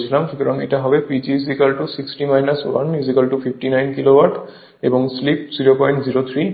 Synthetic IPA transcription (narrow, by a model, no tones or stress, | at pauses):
t͡ɕʰilamkik̪ɔɾɔŋḛʈaɦɔbepid͡ʑizikalʈusiksʈimajnaswa̰njuzikalʈufʰifʰʈinajnkilowaɾʈ | ebɔŋslip̚ziɾopɔjɳʈziɾot̪ʰɾi